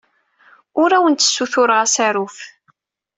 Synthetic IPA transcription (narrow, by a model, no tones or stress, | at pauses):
ʊɾæwənt̪ːə̥sːuθʊɾʁasæɾʊf